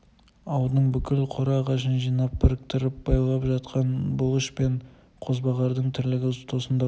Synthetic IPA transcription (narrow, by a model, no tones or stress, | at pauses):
ɑwd̪əɴbʏkʲɪlqʰoɾɑʁɑʃənʒijnɑp̚bʰɪɾɪk̚t̪ɪɾɪp̚bɑjlˠɑpʒɑt̪̚qʰɑnbʊlˠəʃpe̞ɴ | qʰo̞zbɑʁɑɾd̪əɴt̪ʰɪɾlɪɡʲɪʊst̪osənd̪ɑ